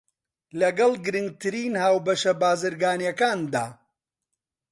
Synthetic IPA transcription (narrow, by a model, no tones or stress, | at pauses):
lɐɡɐlˠɡɨɾɨŋɡ̚t̪ʰɨɾiːnhaːwbɐʃɐbaːzɨɾɡaːnjɐkaːnd̪aː